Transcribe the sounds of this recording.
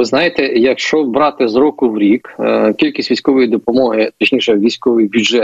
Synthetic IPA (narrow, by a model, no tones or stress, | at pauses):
ʋɪznɑjɪt̪ɛjɐkʃt͡ʃɔbɾɑt̪ɪzɾɔkʊwɾʲikkʲilʲkʲisʲʋʲijsʲkɔʋɔjid̪ɔpɔmɔɦɪt̪ɔt͡ʃnʲiʃɛʋʲijsʲkɔʋɪjbʲud͡ʒɛt̪